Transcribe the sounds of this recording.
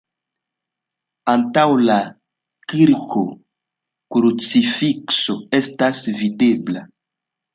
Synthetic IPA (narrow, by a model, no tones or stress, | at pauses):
antawla | kiɾkʰo | kɾut͡sifiksoe̞stasvide̞bla